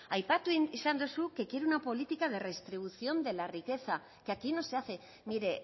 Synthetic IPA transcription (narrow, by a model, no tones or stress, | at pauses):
ajpat̪uisand̪usuke̞kje̞ɾeunapo̞lit̪ikað̞e̞re̞st̪ɾiβ̞uθio̞nd̪e̞larike̞θa | keakino̞seaθe̞ | miɾe̞